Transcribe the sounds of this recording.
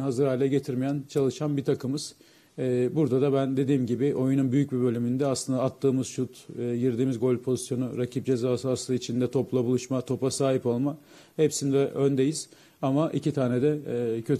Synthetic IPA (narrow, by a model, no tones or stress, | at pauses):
ɦazɯɾaːlʲɛɟe̞t̪ʰiɾmijænt͡ʃʰalˠɯʃanbit̪ʰakɯmɯz̥ | buɾd̪ad̪abænd̪e̞d̪iːmɟibɪʔo̞jununbyjyc̚bibø̞lʲymynd̪ɛaslˠɯnd̪aːt̪ʰːɯːmɯz̥ʃut̪ːjiɾd̪iːmizɡo̞lʲpʰo̞zi̥sjo̞nuɾacʰip̚d͡ʒe̞zaːsɯaslˠɯit͡ʃʰind̪ɛt̪ʰo̞plˠabulˠuʃmat̪ʰo̞pasaːɦipo̞lˠma | hepsind̪ɛʔønd̪e̞jiz̥ | amaʔḭcʰit̪ʰaːnɛd̪ɛcʰø̞t̪